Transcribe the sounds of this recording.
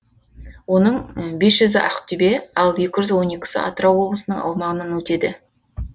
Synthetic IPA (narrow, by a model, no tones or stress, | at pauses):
wo̞nəɴbe̞s̬ʒ̥ʏzɪʔɑqt̪ʰʏbeɑlˠje̞kʲɪʒʏzwo̞ne̞kʲɪ̥sɪ̰ʔɑ̰t̪əɾɑwːo̞blˠəsənəɴɑ̰wmɑʁənɑnwɵt̪e̞d̪ɪ